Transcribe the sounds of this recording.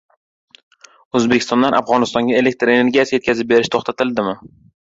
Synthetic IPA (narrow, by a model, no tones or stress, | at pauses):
ɵzbekʲɪ̥st̪ɒnd̪anʔa̰fʁɒnɪst̪ɒŋɡʲaele̞k̚ʲt̪ɾe̞ne̞ɾɡʲasjaje̞t̪kʲʰazɪp̚be̞ɾɪʃt̪ʰoχt̪ʰat̪ʰɪld̪ɪmɪ